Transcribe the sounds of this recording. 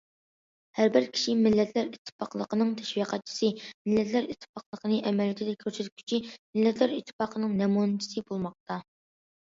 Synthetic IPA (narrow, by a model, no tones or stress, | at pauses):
hæɾbɪɾkʲʰi̥ʃimɪlːɛt̪ʰlæɾit̪ʰːɨ̥pɑqlˠəqənɨŋt̪ʰɛ̥ʃwiqʰɛt̪̚t͡ʃʰi̥sɨmɪlːɛt̪ʰlæɾit̪ʰːpɑqlˠəqʰənɨʔɛmɛljɪt̪ʰɪd̪ɛk̚ʲʰːøɾsɛt̪ʲkʲʰy̥t͡ʃʰimɪlːɛt̪ʰlæɾit̪ʰːɪ̥pɑqʰənɨŋnɛmunɨt͡ʃʰi̥sɨbolˠmɑq̚t̪ɑ